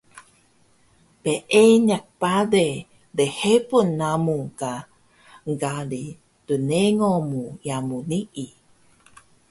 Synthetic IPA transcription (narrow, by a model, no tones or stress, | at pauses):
peʔeɲak̚pade | dehepunːamuŋka | ŋɡali | tuneŋomujamuniʔi